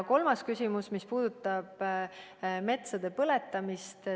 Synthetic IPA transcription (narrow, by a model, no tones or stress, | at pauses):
ko̞lmɑskysʲimusmispuːd̪̥ut̪ːˑɑb̥ | me̞t̪sɑd̪̥e̞pɤle̞t̪ːˑɑmist̪